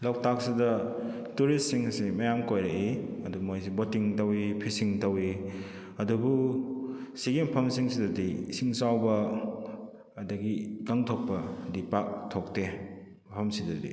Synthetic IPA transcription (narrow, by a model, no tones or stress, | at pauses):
law̚tak̚sidɐ | tuɾist̚siŋsimɐjamkojɾɐiɐdumojsibotiŋtɐwipʰisiŋtɐwi | ɐdubu | siɡimpʰɐmsiŋsidɐdisiŋsawbɐ | dɐɡiɡaŋtʰok̚pɐdipak̚tʰok̚te | mpʰɐmsidɐdḭ